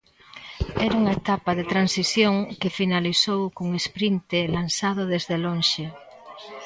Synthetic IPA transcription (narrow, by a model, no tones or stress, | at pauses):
ɛɾauŋaet̪apaðet̪ɾansisjoŋkefinalisowkuŋespɾint̪elansað̞oðezðelonʃe